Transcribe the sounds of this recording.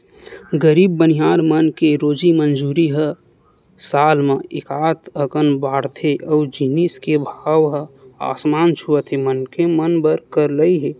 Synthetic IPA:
ɡəɾibːəniɦaːɾmənkeɾoːd͡ʒimənd͡ʒuɾiɦə | saːlmẽekaːt̪ʰəkənbaːɽt̪ʰeʔəud͡ʒiniskebʱaʋɦəa̰ːsmant͡ʃʰuət̪ʰemənkemənbəɾkəɾləiɦe

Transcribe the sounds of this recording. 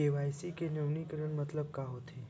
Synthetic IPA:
eʋajsikenəʋɳikəɾəɳmət̪ləb̚kaɦot̪ʰe

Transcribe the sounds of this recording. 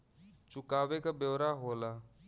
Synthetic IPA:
t͡ʃʊkaːʋekabjoːɾaːɦoːlaː

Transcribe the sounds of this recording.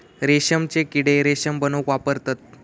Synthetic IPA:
ɾeɕəmt͡ɕekiɽeɾeɕəmbənokʋapəɾt̪at̪̚

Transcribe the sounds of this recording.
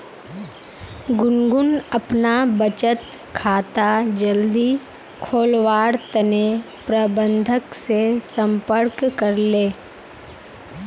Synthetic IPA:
ɡʊnɡʊnəpnabət͡ʃət̪kʰaːt̪ad͡ʒəld̪i | kʰoːlwaːɾt̪əne | pɾəbə̃nd̪ʱəksesə̃mpəɾkkəɾleː

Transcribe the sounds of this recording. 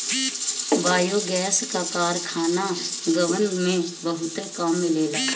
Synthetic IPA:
baːjoɡɛːskakaːɾkʰaːnaɡəʋənmẽbəɦʊt̪ekaːmːeleːlək

